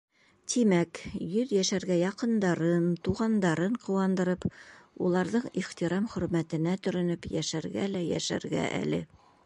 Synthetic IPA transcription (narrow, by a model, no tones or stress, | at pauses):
t̪ʰimækjɵðjæʃæɾɡæjɑqɤ̆nd̪ɑɾɤnt̪uʁɑnd̪ɑɾɤɴqɤ̆wɑnd̪ɤ̆ɾɤpulˠɑɾðɤɴiχt̪iɾɑmχɵ̆ɾmæt̪ɘ̆næt̪ɵ̆ɾɘ̆nɵpjæʃæɾɡælæjæ̰ʃæ̰ɾɡæ̰ʔæ̰lɘ̰